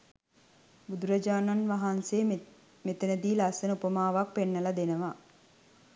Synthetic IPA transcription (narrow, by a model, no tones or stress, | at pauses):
bud̪uɾɐd͡ʒaːnanʋaɦanseː | met̪ənəd̪iːlasənəupəmaːʋak̚penːəlad̪enəʋa